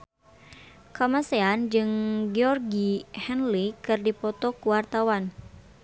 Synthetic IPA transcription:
kamasɛand͡ʒɨŋɡɛɔrɡihɛnlikɨrdipɔt̪ɔkuwart̪awan

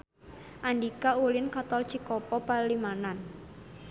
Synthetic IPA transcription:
ʔandikaulɪnkat̪ɔlt͡ʃikɔpɔpalimanan

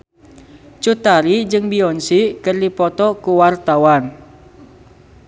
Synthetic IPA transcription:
t͡ʃut̪aɾid͡ʒɨŋbiɔnsikərdipɔt̪ɔkuwart̪awan

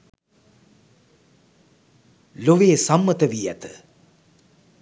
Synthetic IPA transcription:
loʋeːsɐmːɐt̪əʋijæ̰t̪ɨ̥

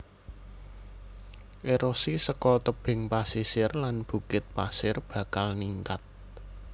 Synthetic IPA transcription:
ʔeɾosisəkɔt̪əb̥ɪ̤ŋpasisɪrlanb̥ṳkɪt̪̚pasɪrb̥ä̤kalniŋkat̪̚

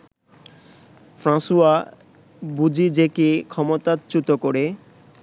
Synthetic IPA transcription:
fɾãsua | bud͡ʑid͡ʑekikʰɔmot̪at̪t͡ɕut̪okoɾe

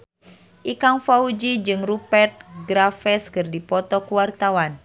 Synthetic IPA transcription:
ʔikaŋfaud͡ʒid͡ʒɨŋrupɛrt̪̚ɡɾafɛskɨrdipɔt̪ɔkuwart̪awan

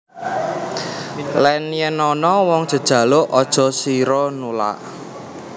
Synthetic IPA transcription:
lɛnjɛnɔnɔwɔŋd̥ʒ̥ə̤d̥ʒ̥ä̤lʊʔɔd̥ʒ̥ɔ̤siɾɔnula̰ʔ

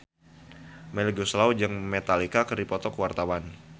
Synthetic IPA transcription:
mɛlɡuslawd͡ʒɨŋmet̪alikakəripɔt̪ɔkəwart̪awan

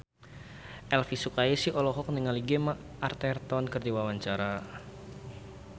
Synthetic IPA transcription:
ʔɛlfisukaisiʔɔlɔɦɔk̚niŋaliɡemaʔart̪ɛrt̪ɔnkərdiwawaɲt͡ʃaɾa

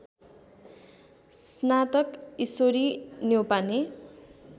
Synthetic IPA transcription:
snat̪ʌkisoɾinjewpane

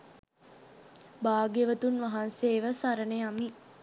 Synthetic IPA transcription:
baːɡeʋət̪unʋaɦanseːʋəsaɾəneami

